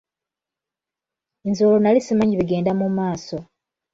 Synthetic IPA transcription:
enzolonalisimaɲiβiɡe̞ːndamumaːso̞

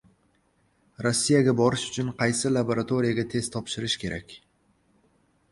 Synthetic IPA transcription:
ɾosːijaɡʲabɒɾɪʃʊ̥t͡ʃʰʊnqʰɑjsɪlˠaboɾat̪ʰo̞ɾijaɡʲat̪ʰe̞z̥t̪ʰɒpʃɪɾɪʃkʲʰe̞ɾa̰kʲ

